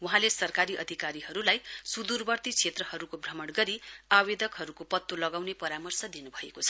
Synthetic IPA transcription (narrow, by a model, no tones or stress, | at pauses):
wuɦãlesʌrkaɾiʔʌ̰d̪ʱikaɾiɦʌɾulajsud̪urbʌrt̪it͡sʰet̪rʌhʌɾukobrʌmʌɽɡʌɾiawed̪ʱʌkɦʌɾukopʌt̪ːolʌɡawnepʌɾamʌrsʌd̪inubʱʌḛkot͡sʰʌ